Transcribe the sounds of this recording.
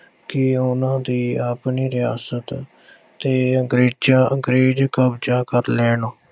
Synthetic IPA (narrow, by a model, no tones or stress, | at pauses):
kɪʊnãːd̪iːaːpniːɾɪja̰ːsət̪ | t̪eːəŋɡɾeːd͡ʒãːəŋɡɾeːd͡ʒkəbd͡ʒãːkəɾlɛːnoː